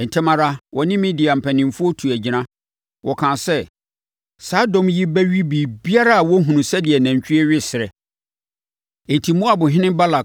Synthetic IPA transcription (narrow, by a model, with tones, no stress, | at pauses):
n̩˨tʰɪ˦mã˦ɾa˦wɔ˨nɪ̃˦mɪ̃˦dɪ˨a˨m̩˨pʰæ˨nɪ̃˨mfʊ˦ɔ˦tʰu˨æ˨d͡ʑi˨nã˦ | wʔɔ˨kʰã˨sɛ˦ | sa˦dɔ̃˨mji˦bæ˦ɥi˦biː˨bi˦a˦ɾa˦a˨wɔ˦ɦũ˨nũ˨sɛ˦dɪ˨ɛ˨næ̃˨ɲ˨t͡ɕᶣi˦ɛ˦ɥᶣɪ˦sɪ˨ɾɛ˨ | n̩˨tʰi˨mʊ̃˦a˨bʊ̃˨ɦɪ̃˦nɪ̃˦ba˦la˨